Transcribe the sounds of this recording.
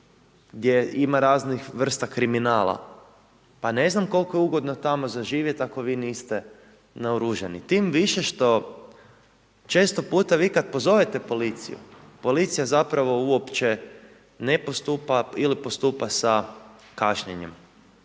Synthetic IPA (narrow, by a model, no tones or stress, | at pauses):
ɡd̪je̞imaɾaːznixʋr̩st̪akɾiminaːlˠa̰ | pane̞znamko̞lˠko̞jeuɡo̞d̪not̪amo̞zaʒiːʋjet̪ako̞ʋiːniːst̪e | naoɾuʒenit̪iːmʋiʃeʃt̪o̞ | t͡ʃe̞ːst̪o̞puːt̪aʋiːkad̪̚po̞zo̞ʋet̪e̞po̞lit̪sḭjṵpo̞lit̪sijazapɾaʋo̞uo̞pt͡ʃe | nepost̪upailipo̞st̪uːpasa | kaʃɲeɲem